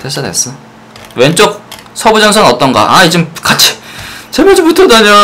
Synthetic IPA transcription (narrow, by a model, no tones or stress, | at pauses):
tes͈ʌnḛs͈ʌ | went͡ɕ͈ok̚ | sʰʌbud͡ʑʌnsʰʌnʌt͈ʌnɡa̰ʔaid͡ʑɯmkat͡ɕʰi̥t͡ɕemʌd͡ʑibutʰʌdaɲo